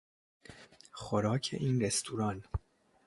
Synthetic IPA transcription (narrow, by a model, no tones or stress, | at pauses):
xoɾɒːcʰḛʔiːnɾest̪ʰuːɾɒn